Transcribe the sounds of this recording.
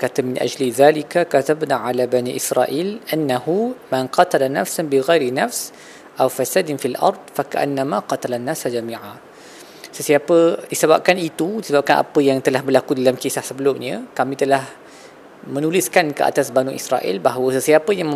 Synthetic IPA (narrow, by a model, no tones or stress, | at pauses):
əkat̪amɪnʔa̰d͡ʒliðalikakatabnaʕalabaniʔisɾa̰ʔilʔanːahumanqɑt̪alana̰fsanbiɣajɾinafs | ʔawfasad̪ɪnfilʔɑ̰ɾˤd̪̚faka̰ʔa̰nːamaqɑt̪alanːaːsad͡ʒamĩːʕa | səsiapədisəbap̚kanit̪udisəbap̚kanʔa̰pəjaŋt̪əlahbərlakudalamkisahsəbəlʊmɲãkamĩt̪əlah | mənulɪskankə̰ʔa̰t̪asbanuʔḭsɾa̰ʔḭlbaɦawəsəsiapəjaŋ